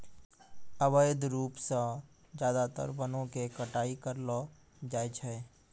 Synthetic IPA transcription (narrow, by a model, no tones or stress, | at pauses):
əʋəjd̪ɾuːpsã | d͡ʒjaːd̪at̪ə̰ɾbənõkekəʈaːikəɾlɔ | d͡ʒaːet͡ʃʰɛ